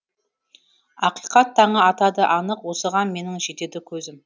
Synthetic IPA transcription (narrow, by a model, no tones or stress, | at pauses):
ɑqijqɑt̪ʰːɑɴəɑt̪ɑd̪əʔɑnəqwo̞səʁɑnme̞nɪŋʒe̞t̪e̞d̪ɪkʲʰɵzɪm